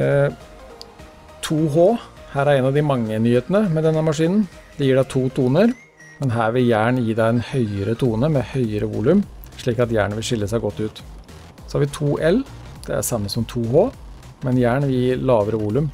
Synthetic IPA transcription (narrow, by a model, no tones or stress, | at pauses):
t̪ʰuːɦoː | hæːɾæɾɛnɑʋd̪ɪmɑŋːənyːheːt̪ənəmɛd̪ɛnːəmɑʂiːnn̩ | d̪ɛjiːɖæt̪ʰuːt̪ʰuːnəɾ | mɛnɦæːɾʋɪljæːɳjiːɖ̪æɪɛnhœʏəɾət̪ʰuːnəmɛhœʏəɾəʋṵːlʉmʂɭiːkɑt̪jæ̰ːɳʋɪlʂɪlːəsæɪɡɔt̪ːʉːt̪ | sɔhɑːʋɪt̪ʰuːʔɛl | d̪̥ɛ̰æ̰sɑmːəsɔmt̪ʰuːhoː | mɛnjæːɳʋɪjiːɾlɑːʋəɾəʋuːlʉm